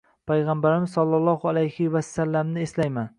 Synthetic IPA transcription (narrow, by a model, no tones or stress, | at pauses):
pʰajʁambaɾɪmɪzsɒlˠːɑlˠɒhʊalajhɪvasːalːamnɪeslajman